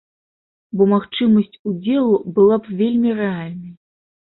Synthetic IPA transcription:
bɔmaxt͡ʂɨmɐsʲt͡sʲud͡zʲɛlˠubɨlˠapvʲelʲmʲirɛalʲnɐj

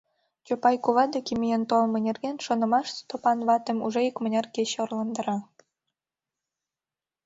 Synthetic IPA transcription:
t͡ɕopɑjkuβɑd̪ɑkʲimʲijent̪olˠmɤ̆nʲerɡenʲʃŏnɤ̆mɑʃt̪opɑnβɑt̪ə̆muʒeikmə̆nʲɑrkeɕorlˠɑnd̪ɤ̆ɾɑ

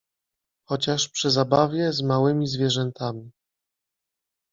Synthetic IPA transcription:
xɔt͡ɕaʂpʂɘzabavʲjɛzmawɘmʲizvʲjɛʐɛnt̪ʰamʲi

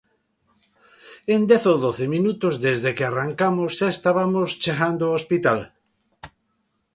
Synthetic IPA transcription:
end̪ɛθoðoθeminut̪ozðezðekearaŋkamosːaest̪aβamost͡ʃeɣand̪oospit̪al

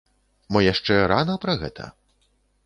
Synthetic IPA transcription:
mɔjaʂt͡ʂɛɾanɐpɾɐɣɛ̰t̪ʰɐ̰

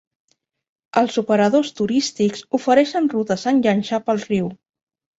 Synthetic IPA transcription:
əlˠzupəɾəðost̪uɾist̪ikzufəɾɛʃənrut̪əsənʎənʲʃapəlˠriw

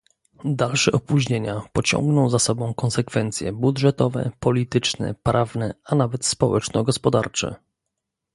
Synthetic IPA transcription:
d̪alʂɛʔɔpuʑɲeɲapɔt͡ɕɔ̰ŋɡnɔ̃w̃zasɔbɔ̃w̃kɔnsɛkfɛnt̪sʲjɛ̰budʐɛt̪ɔvɛ̰pɔlʲit̪ɘt͡ʂnɛ̰pɾʔavnɛanavɛt̪spɔwɛt͡ʂnɔɡɔspɔd̪aɾt͡ʂɛ̰

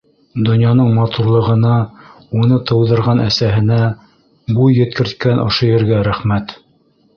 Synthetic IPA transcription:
d̪ŏnjɑnɤɴmɑt̪uɾlˠɤ̆ʁɤ̆nɑ | unɤt̪ɤ̆wðɤ̆ɾʁɑnʔæsæɦɘ̆næ | bujːɘ̆t̪̚kɘ̆ɾt̪̚kænʔŏ̰ʃojɘ̆ɾɡæɾæχmæt̪

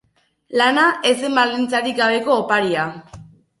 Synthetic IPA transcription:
lanaʔesembald̪int͡saɾikɡaβ̞e̞ko̞ːpaɾia

